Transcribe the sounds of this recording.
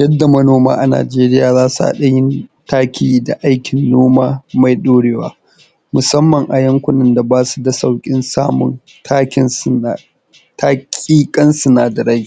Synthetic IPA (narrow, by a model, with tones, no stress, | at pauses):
jɐ˦dːa˨mɐ˦noː˦ma̰ː˦ʔa˨na̰ː˨d͡ʒeː˦ɾɪ˦jaː˨zaː˦su˨ʔa̰˦˨ɗɐ˦jɪ˦ntaː˦kʲʰiː˦da˨ʔa˦jkʲɪ˨nːoː˦maː˦ma˨jɗoː˦ɽe˦wa̰ː˦ | mʊ˨sɐ˦mːɐ˨ŋʔa˨jɐ˦ŋkʷʊ˦nɪ˦˨nda˨baː˦su̥˨dɐ˨sa˨wkʲʼɪ˦nsaː˦mʊ̰˨n | ta˦kʲɪ˦˨ | taː˦kʲʼiː˦kʼɐ˦nsʊ˨naː˨dɐ˨ɾɐ˦j